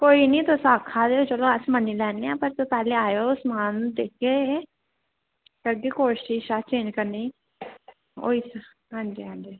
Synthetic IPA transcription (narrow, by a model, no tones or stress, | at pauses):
koːinĩːt̪osaːkʰaːd̪eːot͡ʃəloəsmənilɛːneãːpəɾt̪oːpɛːleaːjoʊsmaːnd̪eːkːe | kəɡiːkoːʃiːʃaːt͡ʃeːd͡ʒkəɾni | o̰ːiːs | ɦãːnd͡ʒiːɦãːnd͡ʒiː